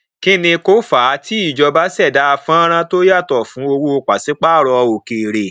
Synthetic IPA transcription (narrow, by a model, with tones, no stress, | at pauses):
ki˦nĩ˧ko˦fa˨˦tʰi˦i˦˨d͡ʒɔ˧ba˦sɛ˦˨da˨˦a˧˨fã˦ɾ̃ã˧to˦ja˦˨tɔ˨fũ˨˦o˧wo˧˨k͡pa˨si˨˦k͡pa˦˨ɾɔ˧o˨ke˨ɾe˨